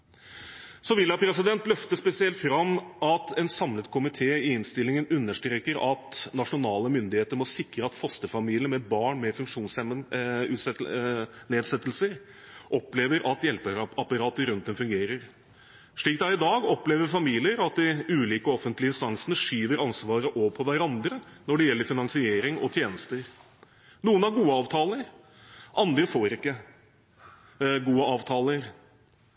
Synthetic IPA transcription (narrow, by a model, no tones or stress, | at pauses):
sɔʋɪlːɑpʰɾɛsɪd̪ɛnt̪lœft̪əspɛsɪɛlt̪fɾɑmʔɑt̪ʰɛnsɑmlət̪kʰʊmɪt̪ʰeːɪɪnst̪ɪlɪŋənʉnːəʂʈɾeːkəɾɑt̪nɑʂʊnɑːləmʏnd̪ɪheːt̪əɾmɔsɪkɾəɑt̪fɔst̪əfɑmiːlɪəmɛbɑːɳmɛfʉŋkʂuːnsɛməʉːt̪sɛ | neːd̪sɛt̪ːəlsəɾ | ʔɔpleːʋəɾʔɑt̪jɛlpəɾɑpɑɾɑːt̪əɾʉnt̪̚d̪ɛmfʉŋɡeːɾəɾ | ʂɭiːk̚d̪ɑɾɪd̪ɑːɡɔpleːʋəɾfɑmiːlɪəɾɑt̪̚d̪ɪʉːliːkəɔfənt̪lɪɪnst̪ɑŋsənəʂyːʋəɾɑnsʋɑːɾəʔɔpʰɔʋæɾɑnd̪ɾənɔɖɛjɛlːəɾfɪnɑŋsɪeːɾɪŋɔ̰t̪ʰjeːnəst̪əɾ | nuːənɑɾɡuːəɑːʋt̪ʰɑːləɾ | ʔɑnd̪ɾəfoːɾɪkːə | ɡuːəɑːʋt̪ʰɑːləɾ